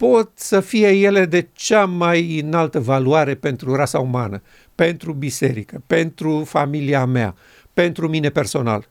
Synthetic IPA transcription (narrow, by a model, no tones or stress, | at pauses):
po̞t̪səfije̞je̞le̞d̪e̞t͡ʃamajɨnalt̪əvaluaɾe̞pe̞nt̪ɾurasauma̰nə | pe̞nt̪ɾubise̞ɾikəpe̞nt̪ɾufamiliamea̰ | pe̞nt̪ɾumine̞pe̞rso̞na̰l